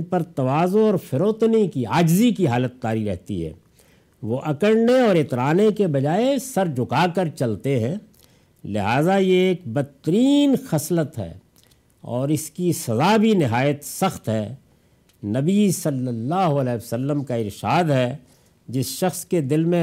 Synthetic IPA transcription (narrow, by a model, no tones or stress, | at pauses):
pɐɾt̪ɐʋaːzõɔːɾfɪɾoːt̪nikiaːd͡ʒzikiɦaːlət̪̚ːaːɾiɾɛɦt̪ḭɦɛ̰ː | ʋoʔɐkəɾneɔːɾɪt̪ɾaːnekebɐd͡ʒaːesɐɾd͡ʒʱʊkaːkəɾt͡ʃɐlt̪eɦɛ̃ː | lɪɦaːzajeeːk̚bɐt̪ːəɾiːnxɐslət̪ɦɛ̰ː | ɔ̰ːɾɪskisɐzabʱinɪɦaːjət̪sɐxt̪ɦɛː | nɐbisɐlːəlːaːɦoɐlɛːsəlːəmkaɪɾʃaːd̪ɦɛː | d͡ʒɪsʃɐxsked̪ɪlmẽ